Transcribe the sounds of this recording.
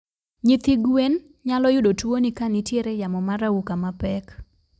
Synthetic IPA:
ɲɪt̪iɡwen | ɲalɔjʊdotuonikanitjeɾejamɔmaɾaukamapɛk

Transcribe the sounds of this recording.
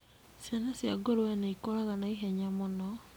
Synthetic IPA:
sjanasjaɡoɾwɛnaikoɾaɣanaiɦɛɲamonɔ

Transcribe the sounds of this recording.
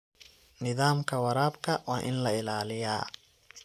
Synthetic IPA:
nɪðaːmkʰɐwɐɾaːbkʰɐwɑːʔɪnlɐɪlaːlɪja̰ː

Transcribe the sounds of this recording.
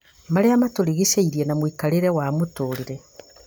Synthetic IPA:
maɾeamatoɾiɣeʃeiɾiɛnamwikaɾeɾɛwamotoːɾiɾɛ

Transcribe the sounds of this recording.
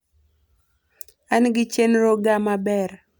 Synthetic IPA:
anɡɪt͡ʃenɾoɡamabɛr

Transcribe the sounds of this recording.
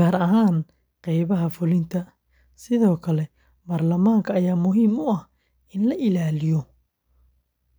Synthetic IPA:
aːɾɐɦaːn | qɛjβɐɦɐfʊlɪnt̪ʰɐ | sɪðɔːkʰɐlɛ | baːrlɐmaːŋkʰɐːjaːmʊɦiːmʊɐh | ɪnlɐʔɪlaːlɪjɔ

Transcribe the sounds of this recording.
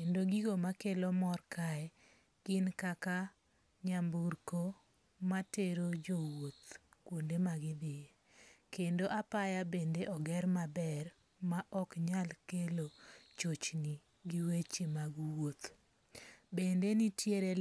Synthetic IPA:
kendoɡiɡomakelɔmɔrkaɛ | ɡ̥ɪnkaka | ɲamburko | mateɾod͡ʒowot̪kwondemaɡɪd̪ɪe | kendoʔapajabendeʔɔɡɛɾmabɛr | maʔɔkɲalkelot͡ʃot͡ʃni | ɡiwet͡ʃemaɡuwot̪ | bendenitjeɾe

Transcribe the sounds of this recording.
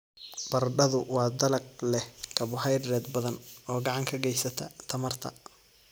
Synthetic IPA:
b̥ɐrɖɐðʊwɑːd̪ɐlɐɡ̚lɛhkʰɐβʊħɛjrːɛːd̪bɐðɐnɔːɡɑʕɑŋkʰɐɡɛjsɐt̪ʰɐt̪ʰɐmɐrt̪ʰɐ̰

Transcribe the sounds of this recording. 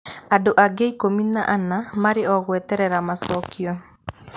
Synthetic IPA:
adoʔaɡeikominaʔanamaɾɪɔɣwɛtɛɾɛɾamasɔkjɔ

